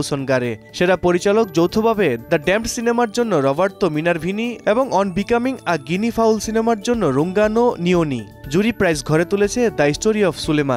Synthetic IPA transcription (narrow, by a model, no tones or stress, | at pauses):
sonɡaɾeʃeɾapoɾit͡ɕalok̚d͡ʑowt̪ʰobʱabed̪aɖɛmʈsinemaɾd͡ʑonːoɾɔbaɾt̪ominaɾbʱinieboŋɔnbikamiŋaɡinifʰawlsinemaɾd͡ʑonːoɾuŋɡanonioni | d͡ʑuɾipɾajsɡʱɔɾet̪ulet͡ɕʰed̪ajsʈoɾiɔfʰsuleman